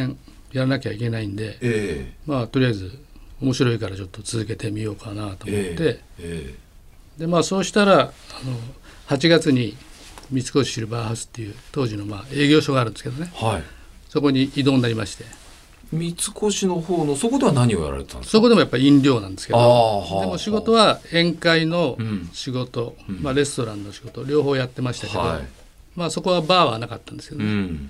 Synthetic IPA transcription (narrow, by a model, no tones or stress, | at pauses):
ẽ | jaɾanakʲeβaikʲe̞naĩnd̪e̞emaːt̪o̞ɾʲijaizɨ | o̞mo̞ɕiɾo̞ikaɾat͡ɕo̞t̪ːo̞t͡sɨzɨke̞t̪e̞mʲijo̞ːkanat̪oːmot̪ːe̞ | d̪e̞maːso̞ːɕi̥t̪aɾaano̞hat͡ɕiɡat͡sɨɲ̟imʲit͡sɨ̥ko̞ɕi̥ɕiɾɯ̟bahasɨ̥t̪ːe̞jɯ̟ːt̪o̞ːʑino̞maːe̞ːɡʲo̞ːɕo̞ɡaːɾɯ̟nd̪esɨked̪o̞ne̞haiso̞ko̞ɲ̟iid̪o̞ːnːaɾʲimaɕi̥t̪e̞ | mʲit͡sɨ̥kʰo̞ɕino̞hoːnosokod̪e̞anaɲ̟ioja̰ɾa̰ɾe̞t̪t̪ã̰nsoko̞d̪e̞mo̞japːaiĩnɾʲo̞ːnãnd̪e̞sɨ̥ked̪od̪emo̞ɕiɡo̞t̪o̞β̞aẽ̞ŋkaino̞ɕiɡo̞t̪o̞maɾe̞sɨ̥t̪o̞ɾãnːo̞ɕiɡo̞t̪o̞ɾʲo̞ːɦo̞ːjat̪ːe̞maɕi̥t̪aked̪o̰ | maːso̞ko̞β̞abaːβa̰nakat̪ːãnd̪eske̞d̪e